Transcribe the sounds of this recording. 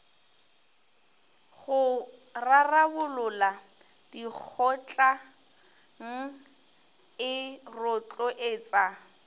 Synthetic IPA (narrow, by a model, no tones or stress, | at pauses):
ɣʊrarabʊlʊla | d̥ik͡xʰɔt͡ɬʼa | ŋ̩ | ɪrʊt͡ɬʼɔʔɪːt͡sʼa